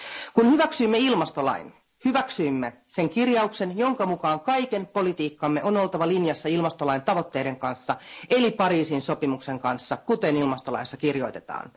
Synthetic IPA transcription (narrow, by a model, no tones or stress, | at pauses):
kunhyʋæksyimːeilmɑst̪o̞lɑ̰in | hyʋæksyːmːese̞ŋkirjɑukse̞njo̞ŋkɑmukɑːŋkɑjkenpo̞lit̪iːkːɑmːe̞ʔono̞lt̪ɑʋɑlinjɑsːɑilmɑst̪olɑjnt̪ɑʋo̞t̪ːe̞ːde̞ŋkɑnsːɑʔe̞lipɑɾiːsinso̞pimukse̞ŋkɑnsːɑkut̪e̞nilmɑst̪olɑ̰isːɑkirjo̞jt̪e̞t̪ɑ̰ːn